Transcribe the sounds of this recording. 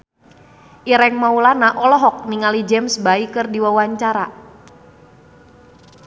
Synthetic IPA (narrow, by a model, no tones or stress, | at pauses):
ʔiɾɛŋmaulanaʔɔlɔɦɔk̚niŋalid͡ʒɛmsbaikɨrdiwawaɲt͡ʃaɾa